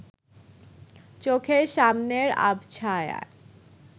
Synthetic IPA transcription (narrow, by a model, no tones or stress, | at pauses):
t͡ɕokʰeɾʃamneɾa̰bt͡ɕʰaeja̰